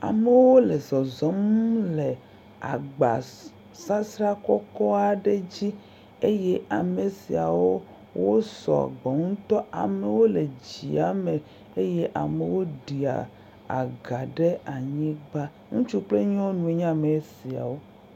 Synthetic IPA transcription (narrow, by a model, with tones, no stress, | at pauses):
a̰˨me˦wo˦wo˦le˨zɔ˨zɔ˦mu˦le˨ | a˨ɡ͡ba̰˨ | sa˦sɾa˦kɔ˦kɔ˦a˨ɖe˦d͡ʑi˦ | e˦je˦ʔa˨me˨si˨a˨wo˦ | wo˦sɔ̰˨ɡ͡bɔ˨ŋũ˦t̪ɔ˦a̰˨me˨wo˦le˨d͡ʑḭ˨a˨me˨ | e˦je˦ʔa˨me˨wo˦ɖi˨a̰˨ | a̰˨ɡa˨ɖe˦a˨ɲĩ˦ɡ͡ba˦ | ŋũ˦t͡ʃu˦k͡ple˦ɲɔ̃˦nũ˨e˦ɲ˦ã˦me˨˦si˨a̰˨wo˦